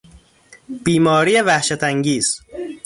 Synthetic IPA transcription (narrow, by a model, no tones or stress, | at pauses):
b̥iːmɒːɾijevæhʃæt̪ʰæŋɡiːz̥